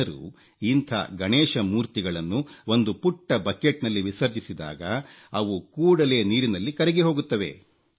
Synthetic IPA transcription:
ɐɾṵ | int̪ʰɐ̰ɡɐɳeːʂɐmuːɾt̪iɡɐɭɐnːuo̞nd̪upuʈːɐbɐkeʈnɐlːiʋisɐɾd͡ʒisid̪a̰ːɡɐ | ɐʋukuːɽɐle̞ːniːɾinɐlːikɐɾɛɡeɦo̞ːɡut̪ːɐʋe̞̰

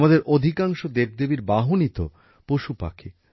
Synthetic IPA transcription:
mad̪eɾʔod̪ʱikaŋʃod̪eb̚d̪ebiɾbaɦonit̪o̰ | poʃupa̰kʰi

